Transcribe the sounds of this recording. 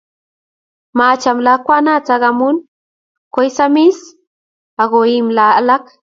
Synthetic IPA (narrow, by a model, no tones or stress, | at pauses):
mat͡ʃamlakʷanat͡saɣamʊn | kʷojsamis | aɣoimlalak